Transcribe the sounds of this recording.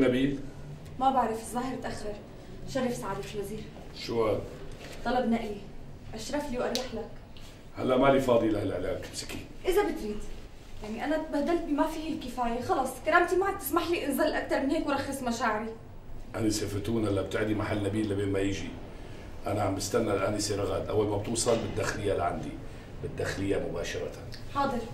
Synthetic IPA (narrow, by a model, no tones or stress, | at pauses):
nabiːl | mabaʕɾˤɑfɪzˤːaːɦɪɾt̪ʔaxːɾɑɾˤ | ʃarˤːɑfsaʕaːd̪ifilwaziːɾ | ʃʊwa | t̪ˤɑlɑbnaʔji | ʔaʃɾˤɑfliwʔɑɾˤːɑħlak | ha̰lːaʔmalifɑːd̪ˤilahalʕɪla̰ːksɪ̥ki | ʔɪzabɪt̪ɾiːd̪ | jaʕniʔanat̪baːd̪alt̪̚bimafiːhɪlkɪfaːjaxɑlɑsˤkaɾˤaːmt̪imaʕad̪t̪ɪsmaħliːʔɪnzaːlʔak̚t̪ɑɾˤmɪneːkwɾˤɑxːɑsmaʃaːʕɪɾi | ʔaniseft̪uːnhalːab̚t̪ɪʕd̪imaħalːnabiːlːibeːnmajɪʒi | ʔanaʕambɪst̪anːalʔaːnisˤiːɾˤɣa̰d̪ʔa̰wːalmab̚t̪uːsˤɑlbɪd̪ːaːxɪlɪjːalḭʕa̰nd̪ḭ | bɪd̪ːaxɪlɪjːamʊbaːʃɑɾˤɑt̪a | ħɑːd̪ˤɨɾ